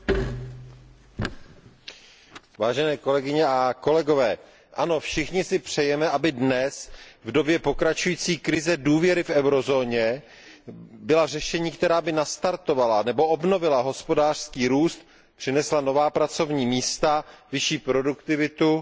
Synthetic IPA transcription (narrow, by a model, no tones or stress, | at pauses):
vaːʒɛnɛːko̞lɛɡɪɲɛʔako̞lɛɡo̞vɛː | ʔano̞fʃɪxɲɪsɪpr̝̥ɛjɛmɛʔabɪdnɛsvdo̞bjɛpo̞kɾat͡ʃujiːt͡siːkɾɪzɛduːvjɛɾɪfɛwɾo̞zo̞ːɲɛ | bɪlarɛʃɛɲiːkt̪ɛɾaːbɪnast̪aɾt̪o̞valanɛbo̞ʔobno̞vɪlaɦo̞spo̞daːr̥skiːɾuːst̪ | pr̥ɪnɛslano̞vaːpɾat͡so̞vɲiːmiːst̪avɪʃiːpɾo̞dukt̪ɪvɪt̪u